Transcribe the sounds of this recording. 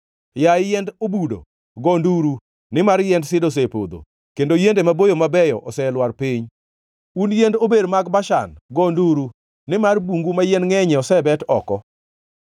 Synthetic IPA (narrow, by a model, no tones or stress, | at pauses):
jajɛndobudo̰ | ɡɔnduɾu | nɪmarjɛndsɪdos̬epo̰d̪o̰ | kendojendemabojomabɛjɔ̰ʔɔsɛlwarpiɲ | unjendobedmaɡbaʃa̰nɡɔnduɾu | nɪmarbuŋɡumajɛnŋɛɲɛɔsɛbɛtɔkɔ